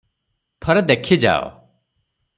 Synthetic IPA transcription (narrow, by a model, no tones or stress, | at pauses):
t̪ʰɔɾed̪ekʰid͡ʒa̰o̰